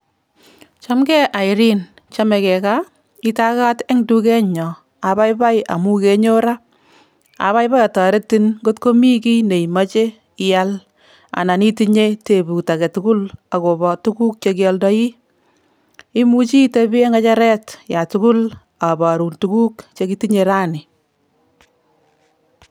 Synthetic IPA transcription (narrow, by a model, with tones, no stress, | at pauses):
t͡ʃɔ˦mkɛ˦ʔa˨ɪɾi˦n | t͡ʃa˦mɛ˧kɛ˨ka˦ | i˦ta˦ka˦te˦ŋdu˦kɛ˦ɲɔ˨ | a˨ba˦jpa˦ja̰˨mu˦ke˦ɲo˦ɾa˦ | a̰˨βa˦jpa˦ja˨tɔː˨ɾe˦tːi˦nɡo˦tko˦mi˦ki˦ne˨i˨ma˦t͡ʃe˦ | ja˦l | a̰˨na˨ni˦ti˦ɲe˦te˨bu˨ta˨kɛ˨tu˦ku˦la˨ko˨bɔ˨tu˦ku˦k̚t͡ʃe˧ki˦jɔ˦ldɔ˦ji˦ | i˦mu˦t͡ʃi˦te˦bi˦e˦ŋɡa˦t͡ʃa˦ɾɛ˦tja˨tu˦kʊ˦l | a˨ba˨ɾu˨ntu˨ku˦kt͡ʃe˧ki˦ti˦ɲe˧ɾa˦nɪ˨